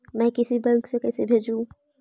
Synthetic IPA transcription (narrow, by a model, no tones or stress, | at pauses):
mɛ̃ːkɪsibɛ̃ŋksekɛːsebʱeːd͡ʒũ